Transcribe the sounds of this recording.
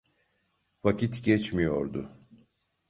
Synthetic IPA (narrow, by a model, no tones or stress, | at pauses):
vacʰit̪ɟɛt͡ʃmijo̞̰ɾd̪ʊ